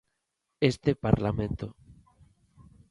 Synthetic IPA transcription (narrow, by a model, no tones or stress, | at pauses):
est̪epaɾlamẽnt̪o